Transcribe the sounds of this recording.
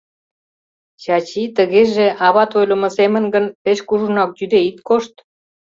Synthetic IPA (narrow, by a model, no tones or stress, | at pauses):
t͡ɕɑt͡ɕit̪əɣeʒeʔɑβɑt̪ojlə̆mə̆semə̆nɡənpeʃkuʒunɑk̚d̪yd̪eit̪koʃt̪